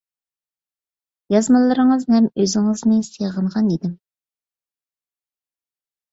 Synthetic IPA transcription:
jɑzmɨlˠɨɾəŋəzhɛmøzɪŋɨznɨseʁəɴʁɑnid̪ɪm

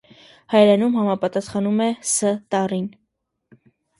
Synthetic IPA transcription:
hɑjɾɛnumɦɑmɑpɑt̪ɑsχɑnumɛsət̪ɑrin

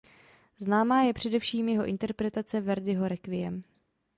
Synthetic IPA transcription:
znaːmaːjɛpr̝̥ɛdɛfʃiːmjɛɦo̞ʔɪnt̪ɛɾpɾɛt̪at͡sɛvɛɾdɪɦo̞ɾɛkvɪjɛ̰m

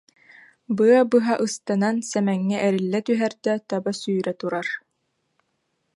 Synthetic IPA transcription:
bɯɐbɯɦaʔɯst̪anansɛmɛŋːɛʔɛɾilːɛt̪yɦɛɾd̪ɛt̪abasyːɾɛt̪uɾaɾ

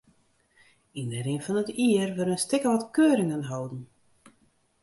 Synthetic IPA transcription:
inəɾɪnfɔnətiərʋəɾənstɪkəʋɔtkøːɾɪŋənɦɔwdn̩

